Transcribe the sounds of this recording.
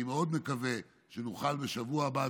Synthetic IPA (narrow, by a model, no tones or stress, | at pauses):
imeo̞d̪me̞kave̞ | ʃenuχalbeʃavuaːba